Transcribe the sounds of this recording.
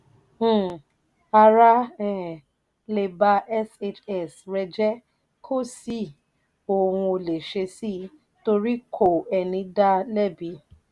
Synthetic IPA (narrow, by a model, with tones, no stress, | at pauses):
a˧ɾa˦ɛ̃˨ | le˨ba˧ʔɛ˦se˧t͡ʃɛ˨sɾɛ˧d͡ʒɛ˦ | kʰo˦˨si˦˨ | o˨hũ˧o˧le˨ʃe˧si˦ | to˧ɾi˦kʰo˦˨ɛ˨nĩ˧da˦lɛ˦˨bi˧˦